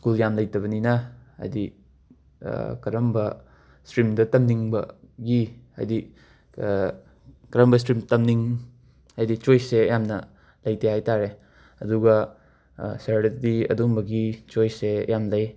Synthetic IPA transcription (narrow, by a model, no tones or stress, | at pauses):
skuljamlɐjtɐβɐninɐɐ̰jdi | kɐɾɐmbɐ | stɾimdɐtɐmniŋbɐ̰ | ɡia̰jdi | kɐɾɐmbɐstɾimtɐmniŋ | ajdit͡ʃojsejamnɐ | lɐjtʰajajtaɾe | ɐduɡɐ | saɾɾɐdiɐ̰dumbɐɡit͡ʃojsejamlɐj